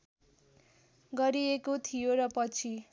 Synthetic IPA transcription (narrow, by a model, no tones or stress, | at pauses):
ɡʌɾiekot̪ʰijoɾʌpʌt͡sʰi